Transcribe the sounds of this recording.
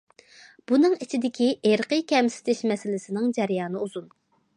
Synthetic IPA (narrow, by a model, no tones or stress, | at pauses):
b̥unɨŋit͡ʃʰid̪ɪkʲiʔeɾqəkʲʰɛmsɪ̥t̪ʰɪʃmɛsɪlɪsɪnɪŋd͡ʒɛɾjɑːnɨuzun